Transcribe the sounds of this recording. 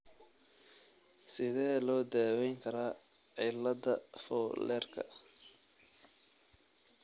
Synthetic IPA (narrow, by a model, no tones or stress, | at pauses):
sɪðɛːlɔːd̪aːwɛjŋkʰɐɾaː | ʕɪlɐdɐfɔːlɛːrkʰɐ̰